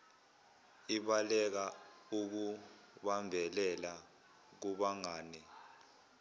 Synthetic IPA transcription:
iɓalɛk̬auk̬u | ɓambʱɛlɛla | k̬uɓaŋaːni

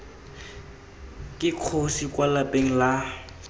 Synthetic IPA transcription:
kʼɪq͡χʰosikʼwalapʼeŋ̩la

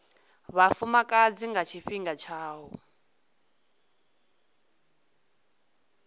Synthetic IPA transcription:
βafumakʼad͡ziŋɡat͡ʃʰiɸiŋɡat͡ʃʰaːwɔ

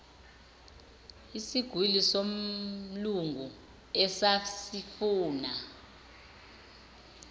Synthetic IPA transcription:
isiɡ̥ʱwilisomluŋɡʱu | ɛsasifuːna

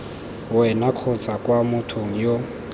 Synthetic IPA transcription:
wɛnaq͡χʰot͡sʼakwamʊtʰoŋ̩jo

